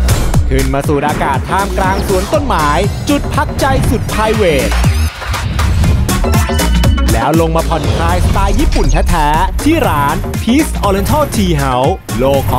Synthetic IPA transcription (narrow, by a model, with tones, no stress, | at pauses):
kʰɯ˨˩nmaː˧suː˨˩t̪̚ʔaː˧kaː˨˩t̪ʰːaː˧mklaː˧ŋsu˩˦ənt̪o˥˩nmaː˩˦jt͡ɕu˨˩t̪̚pʰa˦˥k̚t͡ɕa˧jsu˨˩t̪̚pʰaː˧jweː˨˩t̪̚ | lɛː˦˥wlo˧ŋmaː˧pʰɔ˨˩nkʰlaː˧jsa˧t̪aː˧jːiː˥˩pu˨˩nt̪ʰɛː˦˥t̪ʰɛː˦˥t̪ʰiː˥˩ɾaː˩˦n | pʰiː˦˥sʔɔː˧le˧nt̪ʰɔː˥˩t͡ɕʰiː˧ɦa˩˦˥w | loː˧kʰɔ˧